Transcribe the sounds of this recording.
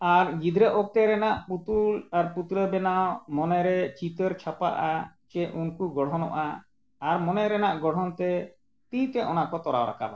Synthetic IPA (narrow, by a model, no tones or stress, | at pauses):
aɾɡid̪ɾəɔk̚t̪ɛɾɛnaʔput̪ulaɾput̪ɾəbɛnawmɔnɛɾɛt͡ʃit̪əɾt͡ʃʰapa̰ʔa̰t͡ʃɛunkuɡɔɽ̤ɔnɔ̰ʔa̰ː | ɾmɔnɛɾɛnaʔɡɔɽ̤ɔnt̪ɛ | t̪it̪ɛʔɔnaʔkɔt̪ɔɾa̰wɾa̰kʰa̰ba̰